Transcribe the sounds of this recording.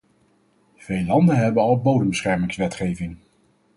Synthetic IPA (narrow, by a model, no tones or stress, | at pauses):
v̥ejlɑndənɦɛbənɑlˠbowdəmbəsχɛɹmɪŋsʋɛtχejvɪŋ